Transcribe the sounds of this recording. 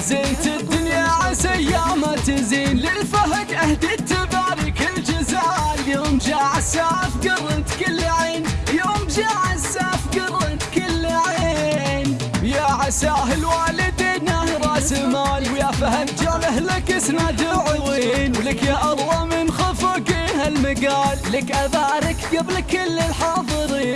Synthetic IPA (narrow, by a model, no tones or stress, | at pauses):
zeːnt̪ɪd̪ɪnjaʕasajjamat̪ɪziːnlɪlfaɦak̪ʔahd̪it̪ːabaːɾɪkɪld͡ʒazaːljoːmd͡ʒaʕasafɡɑrˤːɪnt̪kalːʕiːnjoːmd͡ʒaʕasaːfɡɑrˤːɪnt̪kalːaʕiːn | jaʕasaːɦɪlwaːlɪd̪inahɾˤɑːsɪmaːlwjafahamt̪ɪlahlakɪsnad̪ʊʕʊwinwlɪkjaʔɑlˤːɑmɪnxafakihalmaɡaːllɪkʔabaːɾɪkɡablkɪlːɪlħɑːðˤɨɾi